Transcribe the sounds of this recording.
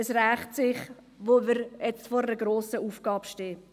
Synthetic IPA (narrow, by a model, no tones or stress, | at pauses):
əsræːχtsɪχ | ʋoʋəɾjɛt͡stfɔɾəɾəɡɾoːsəuːfɡ̥ɑːpʃteː